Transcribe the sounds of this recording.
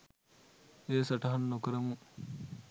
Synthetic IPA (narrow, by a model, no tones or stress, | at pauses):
eːsɐʈɐɦɐnːokɐɾɐmu